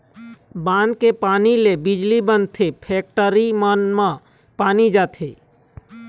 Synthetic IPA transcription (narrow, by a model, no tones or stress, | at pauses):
bãːnd̪kepaːnilebid͡ʒlibənt̪ʰepʰeːk̚ʈəɾimənmã | paːnid͡ʒaːt̪ʰḛ